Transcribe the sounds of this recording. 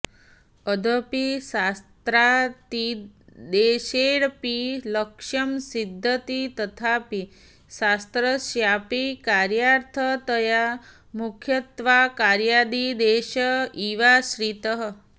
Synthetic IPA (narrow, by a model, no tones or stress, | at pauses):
əd̪ʱəpisast̪ɾat̪id̪eːʃeɽpiləkʂəmsid̪ʱːət̪it̪ət̪ʰapi | sast̪ɾəsjapikaɾjaɾt̪ʰət̪əja | mukʰjət̪ʋakaɾjad̪id̪eʃəiʋaʃɾit̪əɦ